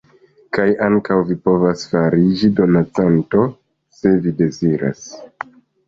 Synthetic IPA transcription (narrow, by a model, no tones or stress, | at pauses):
kajaŋkawvipo̞vasfaɾid͡ʒido̞nat͡santo̞ | se̞vide̞ziɾa̰s